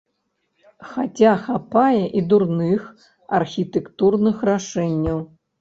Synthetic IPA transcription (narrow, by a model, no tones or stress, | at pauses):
xat͡sʲaxapajɛʔid̪urnɨx | ɐ̰rxʲit̪ɛkt̪urnɨxraʂɛnʲːɐw